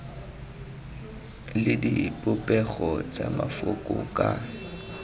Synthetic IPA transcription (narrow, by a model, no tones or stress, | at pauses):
lɪdipʼʊpʼɛɣɔt͡sʼamafʊkʼʊkʼa